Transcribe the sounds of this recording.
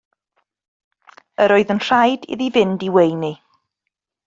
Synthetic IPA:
əɾɔɨðənr̥ajdɪ̰ðivɪndiwejni

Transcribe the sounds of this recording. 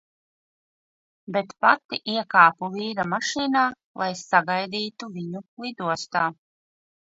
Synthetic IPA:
bet̪pat̪iʔiɛkaːpuliːɾamaʃiːnaː | lˠajsaɡajd̪iːt̪uviɲuklid̪uɔst̪aː

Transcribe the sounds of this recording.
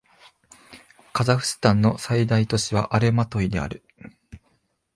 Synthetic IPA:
kazaɸɯ̟̥sɨ̥t̪ãnːo̞said̪ait̪o̞ɕiβaʔaɾe̞mat̪o̞id̪e̞a̰ɾɯ̟

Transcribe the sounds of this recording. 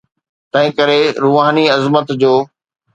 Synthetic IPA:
t̪ɐ̃ɦɪ̃kɐɾeɾuʋaːniɐzmət̪d͡ʑoː

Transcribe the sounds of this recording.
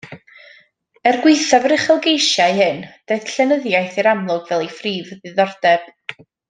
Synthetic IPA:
ɛrɡwɪjθavəɾɪχəlˠɡejʃajhɨnd̥eθɬɛnəðjajθiɾamlˠʊɡvɛlˠifriːvðɨðɔrd̥ɛb̥

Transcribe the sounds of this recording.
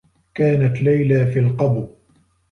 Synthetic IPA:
kaːnat̪lajlaːfilqɑb

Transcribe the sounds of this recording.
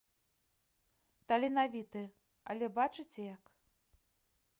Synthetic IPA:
t̪ɐlʲinavʲit̪ɨ | ɐlʲɛbat͡ʂɨt͡sʲɛjak

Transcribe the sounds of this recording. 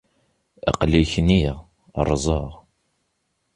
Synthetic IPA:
æ̰qliçniʁ̰ | rˤːzˤəʁ

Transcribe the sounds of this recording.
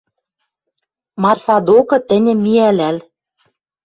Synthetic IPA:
mɑrfɑd̪okɤ̆t̪ɘ̆nʲɘ̆mːiælæl

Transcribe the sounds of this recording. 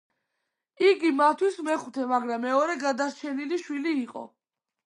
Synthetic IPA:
iɡimatt̪ʰːwismɛχut̪ʰɛmaɡɾamːɛɔɾɛɡad̪aɾt͡ʃʰɛniliʃwiliːqʼɔ̰

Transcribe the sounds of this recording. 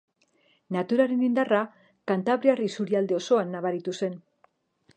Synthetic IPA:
nat̪uɾaɾe̞nind̪ara | kant̪aβ̞ɾearisuɾiald̪eo̞so̞anːaβaɾit̪use̞n

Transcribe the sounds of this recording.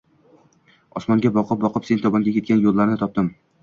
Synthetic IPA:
ɒsmɒŋɡʲabɒqʰɨp̚bɒqʰɨpse̞nt̪ʰɒbɒŋɡʲakʲekʲanjolˠːaɾnɪt̪ʰɒp̚d̪ɪm

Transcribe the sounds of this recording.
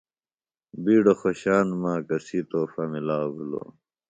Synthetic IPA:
biːɖoxoɕaːnmãːkɐsiːt̪oːfɐmilaːbulo̰

